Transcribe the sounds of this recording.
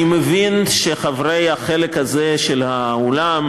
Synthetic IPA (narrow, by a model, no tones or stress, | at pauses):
imevinʃeχavʁejhaχelekhazeʃelhaolam